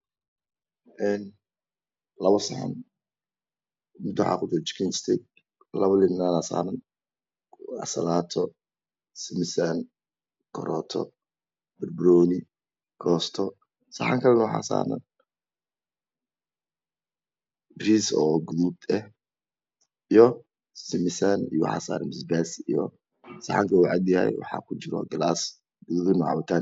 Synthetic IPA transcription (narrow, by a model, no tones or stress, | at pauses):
ʔɛn | lɐβɔsɐħa̰n | mɪnt̪w̰ħa̰kʊd̪ɔt͡ʃɪ̥kʰɪnst̪ʰɛd̪̚ | lɐβɐlɪnnaːnasa̰ːnɐn | ɐ̰sɐlaːt̪ʰɔ | sɪmɪsan | kʰɔɾɔːt̪ʰɔ̰ | bɪrbɾɔːnɪ | ɡʰɔːst̪ʰɔ | sɑħa̰ŋkʰɐlɛnɐwħɑ̰sa̰ːɾɐ̰n | bɾiːsɔːɡuðud̪ɛh | ijɔ | sɪmɪsanḭjɔwʊ̰ħɑ̰ːsa̰ːɾɐnmɪsbɛsijɔ | sɐħa̰ŋkʰɐuʕɑd̪jɐhɛ̰jwɑ̰ħɑ̰kʰʊt͡ʃɪɾɔ̰ɡɐlaːs | ɡ̥uðuːbɪnɔʕɑ̰wʊt̪ʰaːn